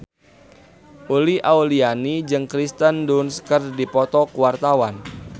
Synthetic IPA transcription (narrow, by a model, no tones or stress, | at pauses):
ʔuliʔaulianid͡ʒɨŋkɾist̪əndunskərdipɔt̪ɔkuwart̪awan